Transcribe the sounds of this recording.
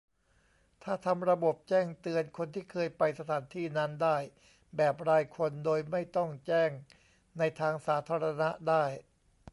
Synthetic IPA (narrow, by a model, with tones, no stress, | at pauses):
t̪ʰaː˥˩t̪ʰa˧mɾa˧bo˨˩p̚t͡ɕɛː˥˩ŋt̪ɯ˧ənkʰo˧nt̪ʰiː˥˩kʰɤː˧jpa˧jsa˧t̪ʰaː˩˦nt̪ʰiː˥˩na˦˥ndaː˥˩j | bɛː˨˩p̚ɾaː˧jkʰo˧ndoː˧jma˥˩jt̪ɔ˥˩ŋt͡ɕɛː˥˩ŋ | na˧jt̪ʰaː˧ŋsaː˩˦t̪ʰaː˧ɾa˧na˦˥daː˥˩j